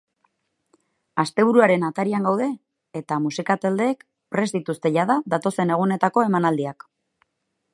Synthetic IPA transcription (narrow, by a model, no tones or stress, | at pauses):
ast̪e̞β̞uɾuaɾe̞nat̪aɾiaŋɡawðe̞ː | t̪amusikat̪eld̪e̞ːk | pɾe̞zd̪it̪ust̪e̞ʎaðaðat̪o̞se̞ne̞ɣ̞une̞t̪ako̞e̞manald̪iak